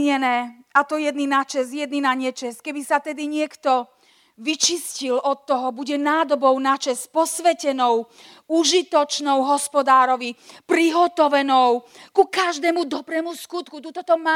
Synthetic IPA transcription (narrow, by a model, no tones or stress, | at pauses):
ɲɛnɛːat̪ɔjɛd̪ninat͡ʃɛsjɛd̪ninaɲɛt͡ʃɛskɛbisat̪ɛd̪iɲɪɛkt̪ɔ | ʋit͡ʃiscilɔt̪ːɔɦɔbuɟɛnaːd̪ɔbɔʊnat͡ʃɛspɔsʋɛcɛnɔʊ | uʒit̪ɔt͡ʃnɔʊɦɔspɔd̪aːɾɔʋipɾiɦɔt̪ɔʋɛnɔʊkukaʒd̪ɛːmud̪ɔbɾɛːmuskut̪kut̪ut̪ɔt̪ɔmaː